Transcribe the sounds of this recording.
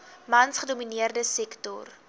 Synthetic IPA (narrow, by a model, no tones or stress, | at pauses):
mɐnsχəduminiərdəsɛktɔ̰r